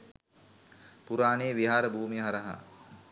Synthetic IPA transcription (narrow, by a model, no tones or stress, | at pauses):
puɾaːneːʋiɦaːɾəbʱuːmiɦaɾəɦa̰